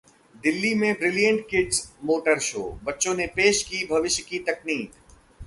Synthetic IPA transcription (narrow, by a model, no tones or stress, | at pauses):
d̪ɪlːimẽbɾɪlijə̃ɳʈ̚kɪɖzmoːʈəɾʃo̰ːbɐtːõnepeːʃkibʱɐʋɪʃjkit̪ɐkniːt̪